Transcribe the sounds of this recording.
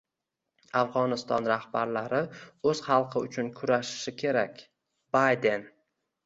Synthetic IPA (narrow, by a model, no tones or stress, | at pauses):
afʁɒnɪst̪ɒnɾahbaɾlaɾɪɵz̥χɑlˠqʰɨʊt͡ʃʰʊnkʰʊɾaʃɪ̥ʃɪkʲʰe̞ɾakʲ | b̥ajd̪e̞n